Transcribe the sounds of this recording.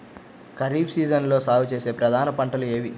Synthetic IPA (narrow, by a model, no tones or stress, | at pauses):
kɐɾiːbsiːd͡ʒɐnlo̞ːsaːʋut͡ʃe̞ːse̞ːpɾɐd̪ʱaːnɐpɐɳʈɐlueːʋi